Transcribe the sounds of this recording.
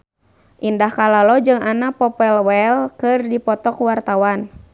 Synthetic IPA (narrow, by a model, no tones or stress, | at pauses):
ʔindahkalalɔd͡ʒɨŋanapɔpɛlwɛlkɨrdipɔt̪ɔkwart̪awan